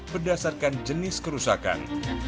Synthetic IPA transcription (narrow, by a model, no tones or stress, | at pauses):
bərdasarkand͡ʒənɪskəɾusaka̰n